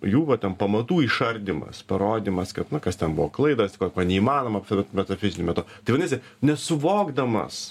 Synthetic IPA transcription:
juːʋɐtʲɛnpɐmɐt̪uːiʃɐɾʲd̪ʲɪmɐ̰spɐɾoːd̪ʲimɐskɐt̪nʊkɐst̪ʲɛnbʊʋɔklˠɐɪd̪ɐskoːkʲoːnʲɛiːmɑːnoːmɐpslʲt̪mʲɛt̪ɐfʲɪzʲɪnʲʊmʲɛt̪ʊt̪ɐɪʋɐnʲeːsʲɪ | nʲɛsʊʋoːɡd̪ɐmɐ̰s

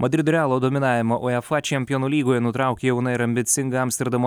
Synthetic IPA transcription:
mɐd̪ʲɾʲɪd̪ʊɾʲæːlˠoːd̪oːmʲɪnɑːʋʲɪmɐʔoɛfɐt͡ʃʲɛmʲpʲɪjonuːlʲiːɡoːjɛnʊt̪ɾɑˑʊkʲeːjɛʊnɐɪɾɐmʲbʲɪt̪sʲɪŋɡɐɐmʲst̪ʲɛɾd̪ɐmo

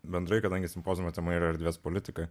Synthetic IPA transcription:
bʲɛnd̪ɾɐɪkɐd̪ɐŋʲɡʲɪsʲɪmpoːzʲɪmot̪ʲɛmɐiːɾɐɛɾʲd̪ʋʲiɛspolʲɪt̪ʲɪkɐ

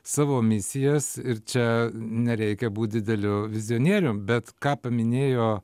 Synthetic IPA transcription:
sɑːʋoːmʲɪsʲɪjɛsɪɾt͡ʃʲɛnʲɛɾʲɛɪkʲɛbuːt̪̚d̪ʲɪd̪ʲɛlʲʊʋʲɪzʲɪonʲiɛɾʲʊmbʲɛt̪kɑːpɐmʲɪnʲeːjoː

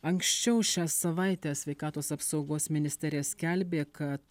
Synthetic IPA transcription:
ɐŋksʲt͡ʃʲɛʊʃʲæːsɐʋɐˑɪt̪ʲæːsʲʋʲɛɪkɑːt̪oːsɐpsɒʊɡoːsmʲɪnʲɪsʲt̪ʲɛɾʲɪjɛsʲkʲælʲbʲeːkɐt̪

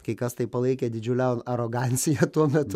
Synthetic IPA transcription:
kɐɪkɐst̪ɐɪpɐlˠɐɪkʲed̪ʲɪd͡ʒʲʊlʲɛnɐɾoːɡɑnʲt͡s̪ʲɪjɛt̪uɔmʲɛt̪ʊ

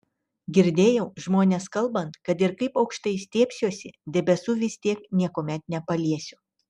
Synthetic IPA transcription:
ɡʲɪɾʲd̪ʲeːjɛʊʒmoːnʲeːskɐlˠbɐnt̪kɐt̪ɪɾkɐɪpɒʊkʃt̪ɐɪsʲt̪ʲeːpʲsʲjuɔsʲɪd̪ʲɛbʲɛsuːʋʲɪsʲt̪ʲiɛknʲiɛkoːmʲɛt̪̚nʲɛpɐlʲiɛsʲʊ

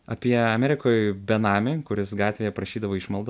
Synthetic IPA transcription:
ɐpʲiɛɐmʲɛɾʲɪkoːjbʲɛnɑːmʲɪkʊɾʲɪsɡɑːt̪ʲʋʲeːjɛpɾɐʃʲiːd̪ɐʋoːɪʃmɐlˠd̪

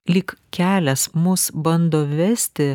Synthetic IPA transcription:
lʲiːkkʲæːlʲɛsmʊsbɐnd̪oːʋʲɛsʲtt̪ʲɪ

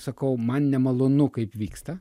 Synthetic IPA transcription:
sɐkɐʊmɐnnʲɛmɐlˠonʊkɐɪpʋʲiːkst̪ɐ

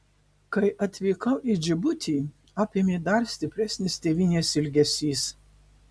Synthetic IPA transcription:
kɐɪʔɐt̪ʲʋʲiːkɐʊʔid͡ʒʲɪbʊt̪ʲiː | ɑːpʲeːmʲeːd̪ɐɾsʲt̪ʲɪpʲɾʲɛsʲnʲɪst̪ʲeːʋʲinʲeːsɪlʲɡʲɛsʲiːs

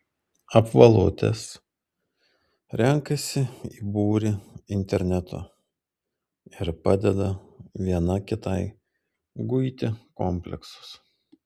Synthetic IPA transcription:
ɐpʋɐlˠʊt̪ʲɛ̰s | ɾʲɛŋkɐsʲɪiːbuːɾʲɪɪnʲt̪ʲɛɾʲnʲɛt̪ʰo̰ | ɪɾpɑd̪ʲɛd̪ɐʋʲiɛnɐkʲɪt̪ɐɪ | ɡʊɪt̪ʲɪkɔmʲpʲlʲɛ̰ksʊ̥s

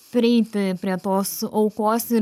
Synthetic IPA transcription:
pʲɾʲɪɛɪt̪ʲɪpʲɾʲiɛt̪oːsɐʊkoːsɪ

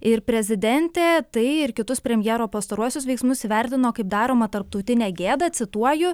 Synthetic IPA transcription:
ɪɾpʲɾʲɛzʲɪd̪ʲɛnʲt̪ʲeːt̪ɐɪɪɾkʲɪt̪ʊspʲɾʲɛmʲjɛːɾoːpɐst̪ɐɾuɔsʲʊs̬ʋʲɛɪksmʊsiʋʲɛɾʲt̪ʲɪnoːkɐɪp̚d̪ɑːɾoːmɐt̪ɐɾp̚t̪ɐʊt̪ʲɪnʲɛːɡʲeːd̪ɐt̪sʲɪt̪uɔjʊ

